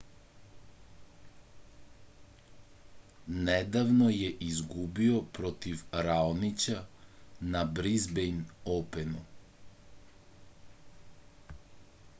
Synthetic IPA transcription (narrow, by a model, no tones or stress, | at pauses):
nɛd̪avnɔjɛʔizɡubiɔpɾɔt̪ifɾalnit͡ʃanabɾizbɛjnɔpɛnu